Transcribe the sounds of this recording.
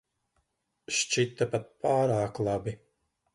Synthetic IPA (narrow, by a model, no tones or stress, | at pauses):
ʃt͡ʃit̪ːapat̪̚paːɾaːklˠabi